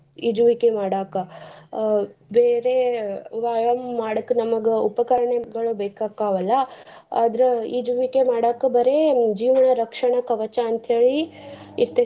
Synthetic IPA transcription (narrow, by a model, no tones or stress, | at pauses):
id͡ʒuʋikemaːɽaːkɐ | beːɾeʋaːjɐmːaːɽɐkːnɐmɐɡeupɐkɐɾɐɳeɡɐɭubeːkaːkaːʋɐlːɐa̰ːd̪ɾeid͡ʒuʋikemaːɽaːkɐbɐɾed͡ʒiːʋɐɳɐɾɐkʂɐɳɐkɐʋɐt͡ʃaːnt̪ɐɦeːɭiiɾt̪e